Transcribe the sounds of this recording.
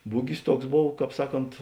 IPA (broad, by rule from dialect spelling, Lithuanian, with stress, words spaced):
ˈbʊɡʲɪs ˈtuɔks ˈboːw ˈkɑːp ˈsɑːˌkoːnt